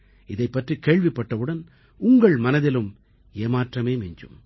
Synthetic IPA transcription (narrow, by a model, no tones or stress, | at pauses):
ɪðɐɪpːɐʈrikeːɭʋɪpːɐʈːɐʋɯɽɐn | ʊŋɡɐɭmɐnɐðɪlɯm | eːmaːʈrɐmeːmɪɲd͡ʒɯ̰m